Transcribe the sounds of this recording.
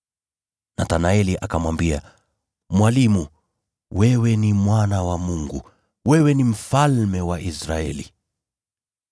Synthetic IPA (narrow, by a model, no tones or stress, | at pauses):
natanaɛliʔakamwambia | mwalimu | wɛwɛnimwanawamuŋɡṵ | wɛwɛnim̩falmɛwaʔisɾaɛlḭ